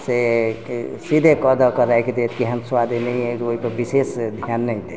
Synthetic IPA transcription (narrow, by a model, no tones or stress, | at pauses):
se | sid̪ʱekəd̪əkəɾajked̪et̪ʰkiɦənswad̪ʱinɛiet̪oɦipəɾbisesd̪ʱjanːəjd̪e